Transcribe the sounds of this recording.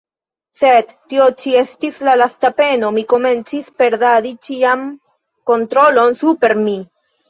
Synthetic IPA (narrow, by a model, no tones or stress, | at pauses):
se̞d̪tːio̞t͡ʃie̞stislalastape̞no̞miko̞me̞nt͡sispe̞ɾdaɾit͡ʃiam | ko̞ntɾo̞lo̞nsupe̞ɾmi